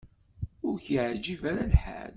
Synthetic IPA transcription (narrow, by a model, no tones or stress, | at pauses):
ʊɾçiʕd͡ʒivæɾalħæ̰l